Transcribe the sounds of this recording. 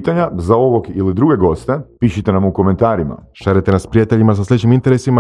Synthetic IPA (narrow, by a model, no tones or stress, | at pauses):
t̪aɲazao̞ʋo̞ɡilid̪ɾuɡe̞ɡo̞st̪e̞piːʃit̪e̞namuko̞me̞nt̪aːɾima̰ʃaɾit̪enaspɾijat̪e̞ʎimas̬aslʲet͡ɕimint̪e̞ɾe̞sima